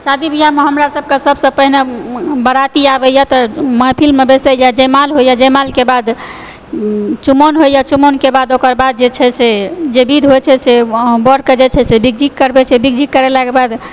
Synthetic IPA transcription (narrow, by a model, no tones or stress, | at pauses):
sad̪ibʱijameɦəmɾasəb̚kesəbʱsəpəɦinebəɾat̪iabɛjat̪ɔməpʰilmebesɛjad͡ʒəmalɦojjad͡ʒəmalkebad̪ | t͡ʃumonɦojjat͡ʃumonkebad̪okəɾbad̪̚d͡ʒet͡ʃʰɛsed͡ʒebid̪ʱɦojt͡ʃʰɛsebəɾked͡ʒet͡ʃʰɛsebiɡd͡ʒikkəɾbɛt͡ʃʰɛbiɡd͡ʒikːəɾɛlakebad̪